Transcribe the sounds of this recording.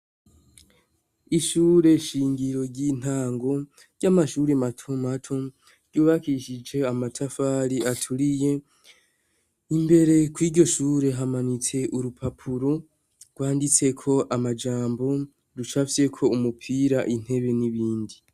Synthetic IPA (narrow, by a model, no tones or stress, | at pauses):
iʃuːɾe̞ʃiːŋɡiɾo̞ɾɟiːn̥aːŋɡo̞ | ɟ̥amaʃuːɾematʰomatʰo | ɟuːβakiʃid͡ʒe̞amatʰafaɾiatʰuɾije̞ | imbe̞ɾe̞kwiːɾɟo̞ʃuːɾe̞ɦamanit͡se̞ʔuɾupʰapʰuɾo̞ | ɡ̥waːndit͡se̞kʰo̞ʔamad͡ʒaːmbo̞ | ɾut͡ʃafise̞kʰo̞umupʰiɾaʔin̥he̞βe̞niβiːndi